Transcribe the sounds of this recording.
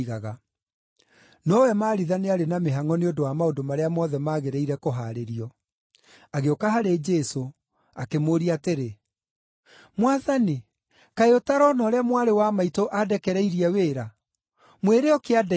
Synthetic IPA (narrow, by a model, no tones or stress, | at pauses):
ɣaɣa | nɔwɛmaːɾiðaneaɾenameɦaŋɔneondowamaodomaɾeamɔːðɛmaːɣeɾɛiɾɛkoɦaɾeɾiɔ | aɣeokaɦaɾed͡ʒɛso | akemoːɾiateɾe | mwaðani | kaeotaɾɔnɔːɾɛamwaɾewamaitoʔadɛkɛɾɛiɾiɛweːɾa | mweɾeɔkeadɛ